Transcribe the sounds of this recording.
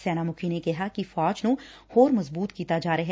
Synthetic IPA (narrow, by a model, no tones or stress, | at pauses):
sɛːnamʊkʰinekɛɦakifɔːt͡ʃnũhoːɾmɐzbuːt̪kiːt̪ad͡ʒaːɾɐɦɛ